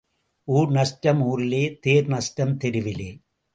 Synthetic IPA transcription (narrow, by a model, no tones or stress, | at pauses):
ʔuːɾnɐsʈɐmuːɾɪleːt̪eːɾnɐsʈɐmt̪ɛɾɯʋɪleː